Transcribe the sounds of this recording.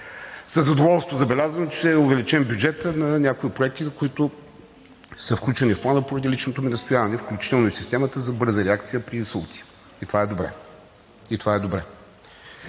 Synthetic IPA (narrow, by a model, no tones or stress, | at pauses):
səzɐd̪ovɔlˠst̪vozɐbɛlʲazənot͡ʃɛ̥ɛʊvɛlit͡ʃɛmbʲjud͡ʒɛt̪ənɐnʲakoipɾoɛk̚t̪ikoit̪ʊ | səfklʲut͡ʃɛnifplˠanəpoɾɐd̪ilʲit͡ʃnot̪ominɐst̪ojavɐnɛfklʲut͡ʃi̥t̪ɛlˠnoisist̪ɛmət̪əzɐbɤɾzəɾɛakt̪sijəpɾiisəlˠt̪i̥ | it̪ovaɛd̪obɾɛ̰ | it̪ovaɛd̪obɾɛ